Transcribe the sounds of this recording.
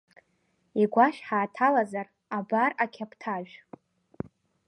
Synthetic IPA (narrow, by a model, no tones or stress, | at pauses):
iɡʷaʃħaːtʰalazar | abarakʲʰapʰtʰaʒᶣ